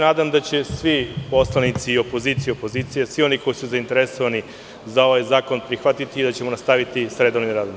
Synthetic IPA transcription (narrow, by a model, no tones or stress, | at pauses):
naːd̪amd̪at͡ɕe̞sʋipo̞slˠanit̪siːo̞po̞ziːt̪sijeopo̞ziːt̪sijesʋio̞niko̞jisuzaint̪e̞ɾeso̞ʋani | zao̞ʋajzaːko̞npɾixʋat̪it̪iːd̪at͡ɕe̞mo̞nast̪aʋit̪isɾe̞d̪o̞ʋnimɾaːd̪om